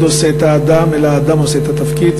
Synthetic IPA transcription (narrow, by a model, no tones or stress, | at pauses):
d̪o̞seːt̪haːd̪amelaːd̪amo̞se̞et̪at̪afkid̪